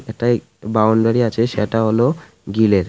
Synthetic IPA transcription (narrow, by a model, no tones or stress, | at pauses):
ɛk̚ʈa | bawɳɖaɾiat͡ɕʰeʃeʈaɦolo | ɡileɾ